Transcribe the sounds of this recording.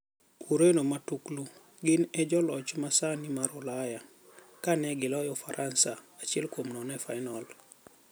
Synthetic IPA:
uɾenɔmatuklu | ɡɪnɛd͡ʒɔlɔt͡ʃmasanimaɾʊlaja | kanɛɡɪlɔjɔfaɾʔansaat͡ʃiɛlkwomnɔnɛfajnɔl

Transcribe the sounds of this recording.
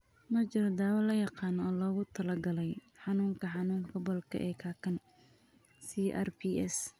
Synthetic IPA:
mɐt͡ʃɪɾɔd̪aːwɐlɐjɑqɑːnɔːlɔːɣʊt̪ʰɐlɐɡɐlɛjħɑnuːŋkʰɐħɑnuːŋkʰɐbɔlkʰɐ̰ʔɛ̰ːkʰaːkʰɐn | siʔɛ̰rpʰiʔɛ̰s

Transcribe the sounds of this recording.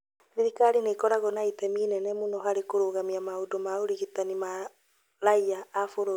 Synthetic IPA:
ɾiɾikaɾinekɔɾaɣɔnaitɛmiːnɛnɛmunɔɦaɾekoɾoɣamiamaodomaoɾiɣitanima | laiaːfoɾo

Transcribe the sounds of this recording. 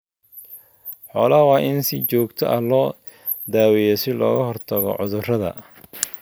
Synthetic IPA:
ħɔːlɐwɑːʔɪnsɪt͡ʃɔːɡt̪ʰɔʔɐ̰hlɔː | d̪aːwɛjɛsɪlɔ̰ːɣɐɦɔrt̪ʰɐɣɔ̰ʕʊðʊrɐðɐ̰

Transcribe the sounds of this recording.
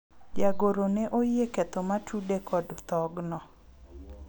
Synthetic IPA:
d͡ʒaɡoɾoneʔojekɛt̪omatudekʰɔdt̪ɔɡnɔ

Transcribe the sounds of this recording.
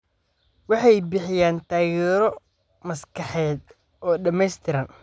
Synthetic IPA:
wɑħɑjbɪħɪjaːnt̪ʰaːɣɛːɾɔ | mɐskʰɑħɛːd̪ | ɔːɖɐmɛjst̪ʰɪɾɐn

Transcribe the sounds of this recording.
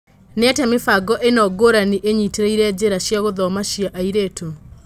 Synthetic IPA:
neɛtɛmefaɡɔʔenɔɡoɾaniʔeɲiteɾeiɾɛd͡ʑeɾaɕjaɣoðɔmaɕiaʔaiɾeːto

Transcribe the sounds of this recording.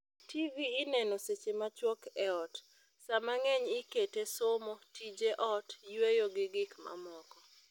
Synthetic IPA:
tiviːnɛnoset͡ʃemat͡ʃwɔkɛɔt | samaŋɛɲɪketesomɔtid͡ʒeʔɔtjwejoɡɪɡɪkma̰mɔkɔ

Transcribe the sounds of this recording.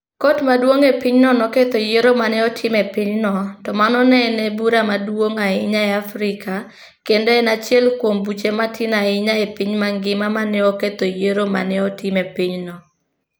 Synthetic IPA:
kotmadwoŋepiɲnɔnɔket̪ojeɾomanɪɔtʰɪmɛpɪɲnɔtɔmanɔnɛnɛbuɾamadwoŋaɪɲaɛafɾɪka | kendɔɛnat͡ʃjɛlkwombut͡ʃematʰɪnaɪɲaepɪɲmaŋɡɪmamanɪɔket̪ojeɾoma̰nɪɔtɪmɛpiɲnɔ

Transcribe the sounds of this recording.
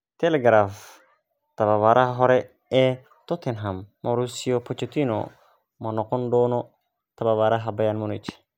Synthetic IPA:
t̪ʰɛlɛɡɾaf | t̪ʰɐβaβaɾʔɐɦɐɦɔɾɛ | ɛː | t̪ʰɔt̪ʰɛnɦɐmmɔɾusiɔpʰɔt͡ʃɛt̪ʰinɔ̰ | mɐnɔqɔnɖɔːnɔ | t̪ʰɐβaβaɾɐɦɐbɐjanmʊnɪt͡ʃ

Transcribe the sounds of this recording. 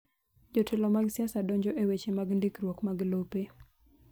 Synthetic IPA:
d͡ʒotʰɪlɔmaɡsiasadɔɲd͡ʒɔʔewet͡ʃemaɡndɪkɾwokmaɡlope

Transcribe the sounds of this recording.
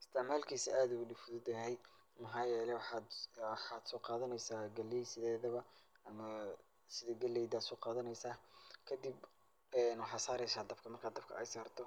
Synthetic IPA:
ɪst̪ʰɪʕmaːlkʰiːsɐaːðʊɣʊɖɪfʊðʊd̪ɐɦɛj | mɐɦaːjɛːlɛw | ħɑːd̪sɔːqɑːðɐnɛjsaːɡɐlɛjsɪðɛːðɐβɐɐmɐ | sɪðɐɡɐlɛjd̪aːd̪sɔːqɑːðɐnɛjsaːkʰɐd̪ib | ɛːnwɑħɑːsaːɾɛjsaːd̪ɐbkʰɐmɐrkʰaːd̪ɐbkʰɐ̰ʔɛjsaːrt̪ʰɔ

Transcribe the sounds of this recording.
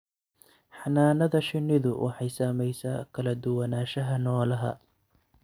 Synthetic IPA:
ħɑnaːnɐðɐʃɪnːɪðʊwʔɑ̰ħɑjsaːmɛjsaːkʰɐlɐd̪ʊwɐnaːʃɐɦɐnɔːlɐɦɐ̰

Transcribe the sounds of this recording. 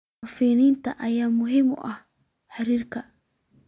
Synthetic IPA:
fiːniːnt̪ʰɐʔɐjaːmʊɦɪmɔ̰ʔɐh | ħɑɾiːrkʰɐ

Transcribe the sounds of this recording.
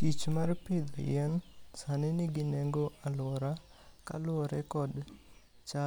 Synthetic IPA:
tit͡ʃmarpɪd̪ɔ̰jɛnsanɪnɪɡɪneŋɡoʔalwɔɾa | ka̰lʊɔɾɛkɔd | t͡ʃa

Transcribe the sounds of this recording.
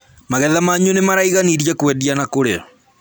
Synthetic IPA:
maɣɛðamaɲunemaɾaiɣaniɾjakwɛdianakoɾḛ

